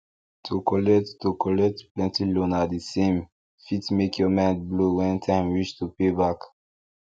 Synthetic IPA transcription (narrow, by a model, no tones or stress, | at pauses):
tʰukɔlɛkttukɔlɛk̚tplɛ̃ntilɔ̃nadisẽm | fitmekʰjɔmɛ̃tblowɛ̃ntʰãɪ̃mwiʃtupebak